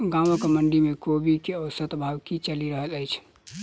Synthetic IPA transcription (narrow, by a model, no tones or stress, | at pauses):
ɡãmokeməɳɖimekobikeəwsət̪bʱawkit͡ʃəliɾəɦələjt͡ʃʰ